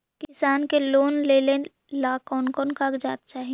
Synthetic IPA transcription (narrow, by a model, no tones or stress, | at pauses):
kɪsaːnkeloːnleːlẽ | laːkɔːnkonkakd͡ʒa̰ːt̪t͡ʃaːɦi